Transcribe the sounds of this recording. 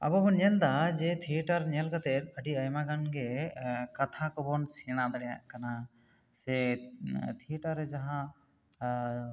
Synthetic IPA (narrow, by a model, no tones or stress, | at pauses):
a̰bɔbɔnɲɛld̪ad͡ʒɛt̪ʰiʈaɾɲɛlkat̪ɛt̪̚ˀəɖiəjmaɡanɡɛkat̪ʰakɔbɔnsiɽ̃ad̪aɽɛja̰ʔkana | sɛ | t̪ʰiʈaɾɛd͡ʒaɦã